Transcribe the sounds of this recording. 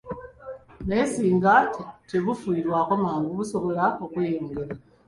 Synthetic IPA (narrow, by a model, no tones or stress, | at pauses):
nesiːŋɡatteβufuiːɾwakomaːŋɡuβuso̞βo̞laokwjoːŋɡeɾa